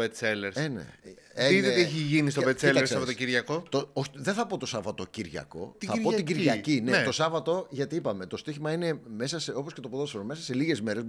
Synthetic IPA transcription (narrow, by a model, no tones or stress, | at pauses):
vet̪seleɾsenḛeiðeot̪ieçiʝinist̪obet̪seleɾsɐpot̪ociɾʝɐko̞t̪ooðenθɐpo̞t̪o̞sɐvɐt̪ociɾʝɐ̰ko̞̰t̪iθɐɾpo̞ɐtiɟiɾʝɐcinet̪o̞sɐvɐt̪o̞ʝɐt̪iipɐme̞t̪o̞st̪içimɐine̞me̞sɐseoposce̞t̪o̞poðosɐɾome̞sɐseliɣe̞zme̞ɾez